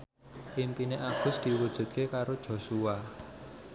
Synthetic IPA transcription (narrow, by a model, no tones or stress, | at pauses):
impineʔaɡ̥ʊ̤sd̪̥i̤wud̥ʒ̥ṳt̪̚kekaɾod̥ʒ̥o̤sua